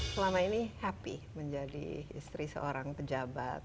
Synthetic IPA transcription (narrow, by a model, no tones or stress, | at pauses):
səlamainihapḭməɲd͡ʒadḭːst̪ɾisə̰oɾaŋpəd͡ʒabat̪̚